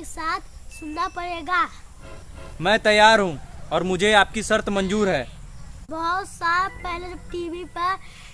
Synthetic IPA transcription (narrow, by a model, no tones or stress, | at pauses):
esaːt̪ʰsʊnːapɐɽeːɡaː | mɛ̃ːt̪ɐjːaːɾɦũɔːɾmʊd͡ʒʱeaːp̚kisɐɾt̪ʰmɐ̃nd͡ʒuːɾɦɛːbɔɦt̪saːɾpɛɦlʈiːʋipɐɾ